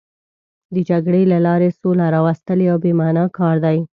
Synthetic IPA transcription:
d̪əd͡ʒaɡɽelalɑɾesolaɾɑwast̪əleawbemɑnɑkɑɾd̪aj

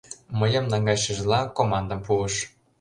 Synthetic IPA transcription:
məjə̆mnɑŋɡɑjʃĕʒlɑkomɑnd̪ə̆mpuə̆ʃ

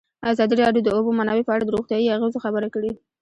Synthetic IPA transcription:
azɑd̪iɾɑɖjod̪əobomanɑwepəaɽad̪əɾoxt̪jɑjiaɣezoxabəɾakəɽe

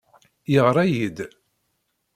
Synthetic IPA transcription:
jəʁɾˤæjid̪

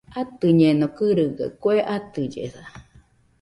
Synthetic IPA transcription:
at̪ɨɲenokɨɾɨɡa̰kweʔat̪ɨd͡ʒḛθa

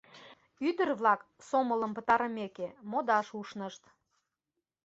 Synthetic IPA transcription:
yd̪ərβlɑksomələ̆mpə̆t̪ɑɾəmekemod̪ɑʃuʃnəʃt̪

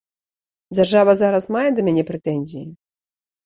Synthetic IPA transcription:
d͡zʲarʐavɐzaɾɐsmajɛd̪ɐmʲɛnʲɛpɾɛt̪ɛnʲzʲiji

